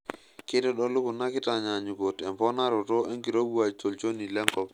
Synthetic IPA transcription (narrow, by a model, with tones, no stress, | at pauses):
ke˦tɛ˦ɗɔ˦lu˦ku˨na˦kɪ˦ta˨ɲa˨ɲu˨ɡo˨tɛ˨mpɔ˦na˦ɾo˨to˦e˦ŋki˨ɾo˦bu˦a˨to˨lt͡ʃo˦ni˨lɛ˦ŋkɔ˦˨p